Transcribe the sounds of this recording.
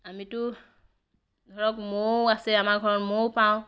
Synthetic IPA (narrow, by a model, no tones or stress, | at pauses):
amitʊ | ɡʱɔɹɔkmoasɛamaɡʱɔɹɔtmowpaʊ̃